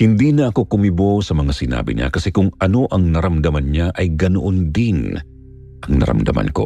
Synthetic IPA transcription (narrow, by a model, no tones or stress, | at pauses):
hɪnd̪inɐɐko̞kʊmɪbosɐmɐŋasɪna̰ːbɪ̰ɲa̰kɐsɛkʊŋʔɐno̞ʔɐŋnɐɾɐmd̪ɐmɐnɲaʔɐjɡɐnoʔond̪in | ʔɐŋnɐ̰ɾɐ̰md̪ɐ̰mʔa̰nko̞̰